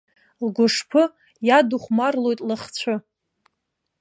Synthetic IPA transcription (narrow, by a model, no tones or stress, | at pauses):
lɡʷʊʂpʰɨ | jaduχʷmarlo̞jtʼlɨχt͡ɕʷʰɨ